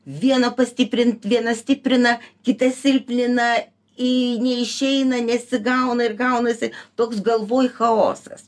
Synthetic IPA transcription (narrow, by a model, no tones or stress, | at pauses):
ʋʲiɛnɐːpɐsʲt̪ʲɪpʲɾʲɪnt̪ʋʲiɛnɐsʲt̪ʲɪpʲɾʲɪnɐkʲɪt̪ɐsʲɪlʲpʲlʲɪnɐ | ɪnʲɛɪʃʲɛɪnɐnʲɛsʲɪɡɐʊnɐɪrɡɐʊnɐsʲɪt̪oːksɡɐlˠʋoːjxɐo̰ːsɐ̰s